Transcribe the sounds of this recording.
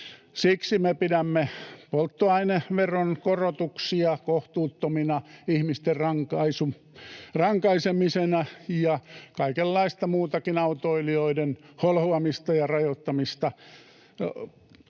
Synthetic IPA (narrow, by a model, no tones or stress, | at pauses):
siksimepiɾæmːepolt̪ːoɑineʋeronkorot̪uksiɑkoht̪uːt̪ːominɑihmist̪errɑŋkɑisu | rɑŋkɑisemisenæjɑkɑikelːɑist̪ɑmuːt̪ɑkinɑut̪oilioidenholhoɑmist̪ɑjɑrɑjot̪ːɑmist̪ɑ